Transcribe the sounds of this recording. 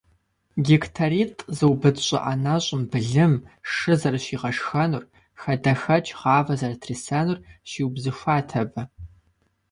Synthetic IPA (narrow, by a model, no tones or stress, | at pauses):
ɡʲiktʰaɾiːtʼzɨwbɨdɕʷʼɪ̰ʔɐnɐɕʼʊmbɨɮɨmʂɨzɐrɕiːʁɐʂxɐnʊr | xɐdɐxɐt͡ʃʼʁɑːvɐzɐrɐtʰrisanʊrʃiːwbzɨʃʷaːtʰɐbɐ